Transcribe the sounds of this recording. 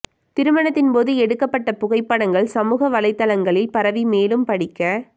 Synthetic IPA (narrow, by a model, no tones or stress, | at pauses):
t̪ɪɾɯmɐɳɐt̪ːɪnpoːðɯɛɽɯkːɐpːɐʈːɐpʊɣɐɪpːɐɽɐŋɡɐɭsɐmuːɣɐʋɐlɐɪt̪ːɐlɐŋɡɐɭɪlpɐɾɐʋimeːlɯmpɐɽɪkːɐ